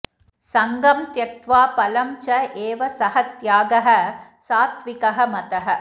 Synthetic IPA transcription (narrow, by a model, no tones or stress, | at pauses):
sɐŋɡɐmt̪jɐk̚t̪ʋaːpɐlɐmt͡ʃɐʔeːʋɐsɐhɐt̪jaːɡɐɦɐ̆saːt̪ʋikɐɦɐmɐt̪ɐɦɐ̆